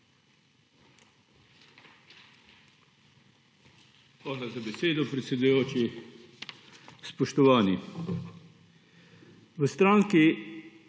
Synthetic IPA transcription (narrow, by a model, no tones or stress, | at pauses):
aːlazabɛseːd̪ɔpɾɛt̪sɛd̪ujoːt͡ʃi | spɔʃt̪ɔʋaːni | ʋəst̪ɾaːŋki